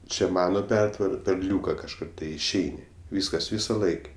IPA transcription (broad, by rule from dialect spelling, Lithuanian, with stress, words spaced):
ˈt͡ʃʲɛ ˈmɑːnoː ˈpʲɛrtʋɐrɐ pʲɛr ˈlʲuːkɐ kɐʃˈkʊr ˈtɐɪ ɪʃʲˈɛɪnʲɪ ˈʋʲiːskɐs ˈʋʲiːsoː ˈlˠɐɪkʲ